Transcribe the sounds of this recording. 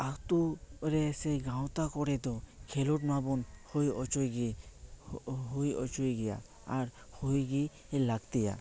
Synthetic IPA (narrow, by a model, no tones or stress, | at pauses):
akt̪uɾɛsejɡãwt̪akɔɽɛd̪ɔkʰeluʈmabɔnhojɔt͡ʃojɡi | ɦojɔ̰t͡ʃujɡɛja̰ | aɾ | hojɡi | elaɡt̪ija̰